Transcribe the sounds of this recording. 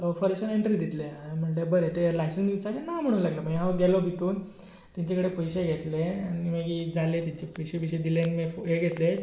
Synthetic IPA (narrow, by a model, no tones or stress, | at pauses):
fəɾeɕəneɳʈɾid̪it̪leam̤əɳlebəɾet̪elajsənsit͡sakenam̤əɽ̃uːlaɡləpəŋɦãɡelɔbʱit̪uːn | t̪iɲt͡ɕekəɽepojɕeɡʱet̪leanimeɡid͡zalet̪iɲt͡ɕepojɕeʋiɕed̪ilenmefoɦeɡʱet̪le